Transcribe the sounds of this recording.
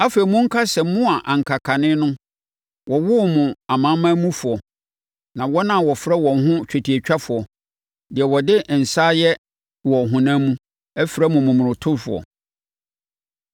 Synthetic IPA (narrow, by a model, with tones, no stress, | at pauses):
a˦fe˨i˨mʊ̃˦ŋ̩˦kʰa˦sɛ˨mʊ̃˦a˨ʔã˨ŋ̩˨kʰa˨kʰa˨nɪ̃˦nʊ̃˦ | wɔ˨wʊ˦˨mʊ̃˨a˨mã˦mãː˦mũ˦fʊ˨ɔ˨ | nã˨wɔ˦nã˦˨wɔ˨fɾɛ˦wɔ̃˨ŋɦʊ̃˦t͡ɕᶣa˨tʰi˨ɛ˨t͡ɕᶣa˦fʊ˨ɔ˨ | dɪ˨ɛ˨wɔ˨dɪ˦ʔn̩˨saː˦jɛ˦ | wɔ˨ɦʊ̃˨nãː˦mũ˦ | ɛ˦fɾɛ˦mʊ̃˨mʊ̃˨mʊ̃˨ʊ̃˨tʰʊ˦ɾfʊ˨ɔ̰˨